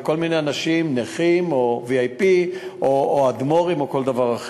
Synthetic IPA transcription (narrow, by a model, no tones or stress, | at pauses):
ko̞lmineanaʃimneχimoviajpiʔooad̪mo̞ʁimoko̞ld̪avaʁaχ